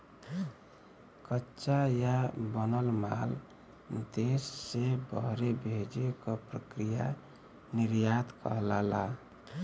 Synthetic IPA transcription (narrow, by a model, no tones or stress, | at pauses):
kətːt͡ʃajabənəlma̰l | d̪esːebəɦɾebʱed͡ʒekəpɾəkɾija | niɾjad̪kə̰ɦlala